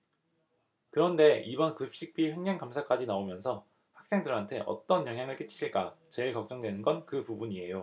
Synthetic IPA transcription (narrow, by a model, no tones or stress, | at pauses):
kɯɾʌnde̞ʔibʌnkɯp̚ɕ͈ik̚p͈iɸweŋɲaŋkamsʰak͈ad͡ʑinaomjʌnsʰʌ | ɸak̚s͈e̞ŋdɯɾantʰe̞ʔʌ̰t͈ʌnjʌŋɦjaŋɯɭk͈et͡ɕʰi̥ɕʰiɭk͈at͡ɕe̞ɭkʌk̚t͡ɕ͈ʌŋdwenɯnɡʌnkɯpubuɲie̞jo